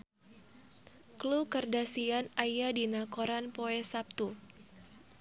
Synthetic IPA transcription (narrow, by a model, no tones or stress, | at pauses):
klukərdasianajadinakoɾanpoɛsap̚t̪u